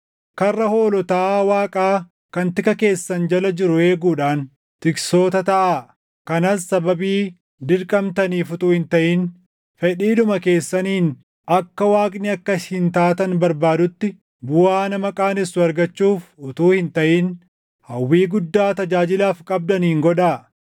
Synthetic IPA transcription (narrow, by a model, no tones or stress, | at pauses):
kɐrːɐho̞ːlɔt̪aːwaːkʼaː | kɐnt̪ɪkɐke̞ːsːɐnd͡ʒɐlɐd͡ʒɪɾʊe̞ːɡuːᶑaːn | t̪ɪkso̞ːt̪ɐt̪ɐʔaː | kɐnɐsːɐbɐbiː | d̪ɪɾkʼɐmt̪ɐniːfʊt̪uːhɪnt̪ɐʔiːn | fɛᶑiːᶑʊmɐke̞ːsːɐniːn | ɐkːɐwaːkʼnɪɐkːɐshɪnt̪aːt̪ɐnbɐɾbaːd̪ʊt̪ːɪ | bʊwaːnɐmɐkʼaːnɪsːʊɐɾɡɐt͡ʃːuːfʊt̪uːhɪnt̪ɐʔiːn | hɐwːiːɡʊd̪ːaːt̪ɐd͡ʒaːd͡ʒɪlaːfkʼɐb̚d̪ɐnːɪŋɡɔᶑaː